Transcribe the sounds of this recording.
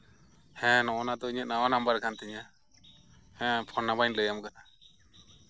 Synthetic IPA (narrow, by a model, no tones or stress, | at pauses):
hɛ̃nɔʔɔnad̪ɔiɲət̪̚nawanambaɾkant̪ɛɲa | hɛ̃pʰɔnabaɲləjamkana